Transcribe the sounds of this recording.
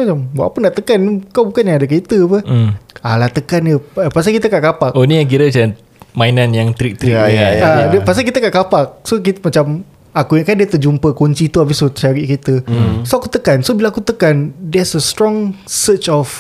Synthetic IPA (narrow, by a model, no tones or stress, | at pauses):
mat͡ʃamwa̰ʔpəndaʔt̪əkanikawbukanjaadak̬it̪əpəalat̪əkanəpas̬akit̪əkaʔkapakʔonijaŋk̬iɾət͡ʃn | mainanjaŋt̪ɾik̚t̪ɾiaaəpas̬ak̬it̪əkaʔkapak̚sokit̪mat͡ʃam | akuɲakandiət̪əd͡ʒumpəkoɲt͡ʃit̪uabisot͡ʃaɾiʔkit̪əsoakut̪əkansobilaakut̪əkandɛsəst̪ɾɔŋsət͡ʃɔf